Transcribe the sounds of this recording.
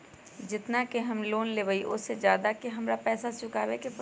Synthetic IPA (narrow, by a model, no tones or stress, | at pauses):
d͡ʒɪt̪nakeɦɐmloːnleːʋəiʔʊsːed͡ʒjaːd̪akeɦɐmɾapɛːsasʊkaːʋekep